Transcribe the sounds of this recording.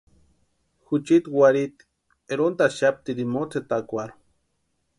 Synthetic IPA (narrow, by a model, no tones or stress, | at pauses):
xut͡ʃit̪waɾit̪ | eɾont̪aʃap̚t̪id̪imot͡set̪akʷaɾo